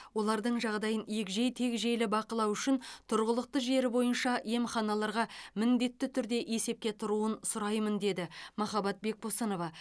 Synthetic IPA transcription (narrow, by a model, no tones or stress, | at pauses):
wo̞lˠɑɾd̪əɴʒɑʁd̪ɑjəniekʒejt̪ʰe̞kʒejlɪbɑqəlˠɑwʏʃɪnt̪ʰʊɾʁəlˠəq̚t̪əʒe̞ɾɪbo̞jənʃɑe̞mχɑnɑlˠɑɾʁɑmɪnd̪e̞t̪ːɪt̪ʰʏɾd̪e̞ʔe̞se̞p̚kʲe̞t̪ʰʊɾuənsʊɾɑjmənd̪e̞d̪ɪmɑχɑbɑt̪̚be̞k̚bo̞sɑno̞vɑ